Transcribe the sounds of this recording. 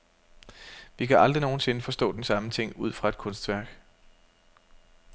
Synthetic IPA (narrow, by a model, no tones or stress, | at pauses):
ʋikʰæʔɑ̈ld̥ʁino̝ːn̩se̝nəfɒ̽sd̥ɔ̰̽ːd̥ensɑ̈mət͡sʰe̝ŋ̰uð̰ˠfʁɑ̈e̥kʰɔ̽nsd̥ʋæɐ̰ɡ̥